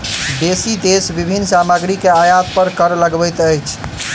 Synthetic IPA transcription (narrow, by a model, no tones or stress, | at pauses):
d̪esid̪esbibʱinːsaməɡɾikeajat̪̚pəɾkəɾləɡbəjt̪əjt͡ʃʰ